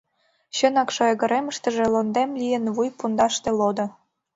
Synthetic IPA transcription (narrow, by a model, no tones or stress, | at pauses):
ɕə̆nɑkʃoɤɣə̆ɾeməʃt̪ə̆ʒĕlond̪emlʲijə̆nβujpund̪ɑʃt̪ĕlod̪ɤ̆